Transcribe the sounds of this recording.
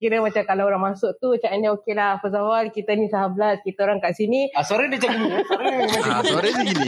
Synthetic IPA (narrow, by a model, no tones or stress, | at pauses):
kiɾəmat͡ʃakalaoɾaŋmasʊkt̪ut͡ʃaʔandiaokelahpəzawalkit̪anisaɦabəlaskit̪aoɾaŋkaʔsiniasaɾədit͡ʃainisaɾəat͡ʃaiisaɾəsiɡini